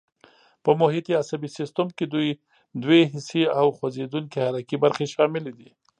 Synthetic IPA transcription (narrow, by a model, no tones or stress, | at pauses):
pəmʊɦɪt̪iasabisɪst̪əmked̪uj | d̪weɦɪsiawxwazed̪uŋkehaɾakibaɾxeʃɑmɪled̪i